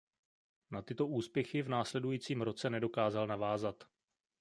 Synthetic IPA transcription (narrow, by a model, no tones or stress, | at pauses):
nat̪ɪt̪o̞ʔuːspjɛxɪvnaːslɛdujiːt͡siːmɾo̞t͡sɛnɛdo̞kaːzalnavaːzat̪